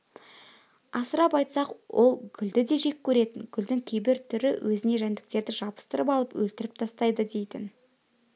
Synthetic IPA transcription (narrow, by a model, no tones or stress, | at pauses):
ɑsəɾɑpɑjt̪sɑqwʔo̞lˠɡʲʏld̪ɪd̪e̞ʒe̞kʲʰːɵɾe̞t̪ɪŋɡʲʏld̪ɪŋkʲʰe̞jbɪɾt̪ʰʏɾɪwʔɵzɪne̞ʒænd̪ɪ̥k̚t̪e̞ɾd̪ɪʒɑbə̥st̪əɾəpɑlˠəpwɵ̰lt̪ɪɾɪp̚t̪ʰɑst̪ɑjd̪əd̪e̞jt̪ɪ̰n